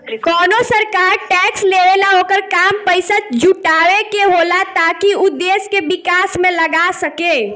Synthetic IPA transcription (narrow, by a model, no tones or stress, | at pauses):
kɔːnosəɾkaɾʈɛksleʋelaokəɾkampəɪsəd͡ʒuʈawekeɦolat̪akiud̪eskebikasmẽləɡasəke